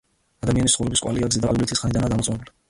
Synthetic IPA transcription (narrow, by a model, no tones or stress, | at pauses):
ad̪amianisχɔvɾɛbiskʼwa̰liaɡzid̪aalɡulit̪ʰisχanid̪anaːd̪amɔt̪sʼɔnɛbuli